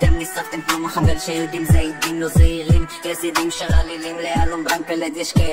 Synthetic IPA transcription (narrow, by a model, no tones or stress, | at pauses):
t̪emnisaʁt̪emkmomaχaveʁʃejod̪imzaimt̪imlozeiʁimjesid̪imʃaʁalilimlealombʁaŋk̚peled̪jɛʃka